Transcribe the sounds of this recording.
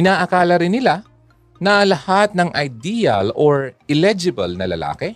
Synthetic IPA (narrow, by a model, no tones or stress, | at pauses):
ɪnaːʔɐkaːlɐɾɪnːɪla | nɐɐlɐhat̪̚nɐŋʔɐjd̪ijɐ̰loɹɛlɛd͡ʒɪbɐlnɐlɐ̰la̰ːkɛ